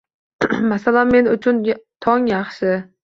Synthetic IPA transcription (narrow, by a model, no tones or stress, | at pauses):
masalanme̞nʊt͡ʃʰʊnt̪ʰɒŋjɑχʃɪ